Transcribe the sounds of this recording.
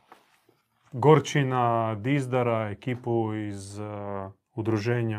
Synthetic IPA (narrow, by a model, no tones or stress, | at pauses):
ɡoɾt͡ʃinad̪izd̪aɾaekiːpuiz | ud̪ɾuʒeːɲa